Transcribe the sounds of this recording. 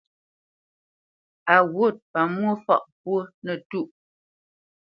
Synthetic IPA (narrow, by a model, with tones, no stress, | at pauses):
a˨wo˦˨t̚pa˨m˦o˦fɔ̰˨ʔpwo˦nə˨tu˦˨ʔ